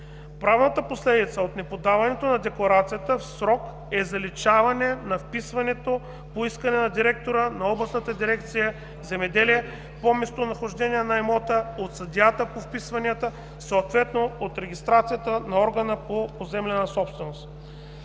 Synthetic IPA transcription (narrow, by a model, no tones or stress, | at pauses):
pɾavnət̪əposlɛd̪it̪səot̪nɛpod̪avɐnɛt̪onɐd̪ɛklˠɐɾat̪sijət̪əfsɾɔk | ɛzɐlit͡ʃavɐnɛnɐfpisvɐnɛt̪o | poiskɐnɛnɐd̪iɾɛk̚t̪oɾənɐɔblˠɐsnət̪əd̪iɾɛk̚t̪sijə | zɛmɛd̪ɛliɛ | pomɛst̪onɐxoʒd̪ɛnijɛnɐɛmot̪əot̪sɐd̪ʲat̪əpofpisvɐniət̪ə | soot̪vɛt̪noot̪ɾɛɡʲist̪ɾat̪sijət̪ənɐɔɾɡənəpopozɛmlɛnəsɔpst̪vɛnost̪